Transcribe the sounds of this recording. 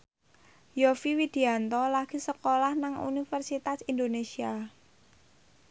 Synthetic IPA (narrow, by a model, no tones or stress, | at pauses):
jofiwid̪̥i̤ant̪ɔlaɡ̥i̤səkolahnaŋṵnifərsit̪asind̪onesia